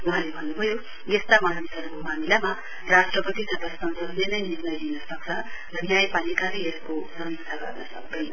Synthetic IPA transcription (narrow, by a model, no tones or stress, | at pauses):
uɦãlebʱʌnːubʱʌjo | jest̪amaɾanisʌɾukomamilama | rasʈrʌpʌt̪isʌbasʌnsʌdlenʌjnirnʌjlinʌsʌk̚t͡sʰʌrʌnjajpalikaɾʌjeskosʌmiksʰaɡʌ̰rnʌsʌk̚d̪ʌjnʌ